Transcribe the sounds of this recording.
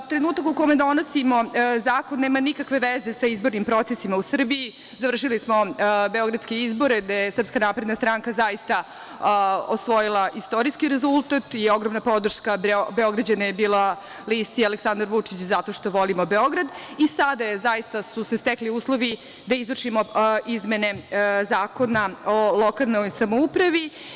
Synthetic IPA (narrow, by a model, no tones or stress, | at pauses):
t̪ɾenuːt̪akukome̞d̪o̞nosimo̞zaːkonːeːmanikakʋe̞ʋeze̞saizboɾnimpɾo̞t̪sesimausr̩biː | zaʋr̩ʂilismo̞be̞oɡɾad̪ske̞izbo̞ɾed̪ajesr̩pskanapɾe̞d̪nast̪ɾaŋkazaist̪a | osʋo̞jilˠaʔist̪o̞ɾiskiɾezulˠt̪at̪ioɡɾomnapo̞d̪r̩ʃkabeo̞ɡɾad͡ʑanajebiːla | list̪ialeksand̪aɾʋut͡ʂit͡ɕzat̪o̞ʃt̪o̞ʋo̞limobe̞o̞ɡɾad̪isad̪ajezajist̪asuse̞st̪ekliuːslˠoʋi | d̪aizʋrʂimoizme̞ne̞zaːkonao̞lˠo̞kalˠnojsamoupɾaʋi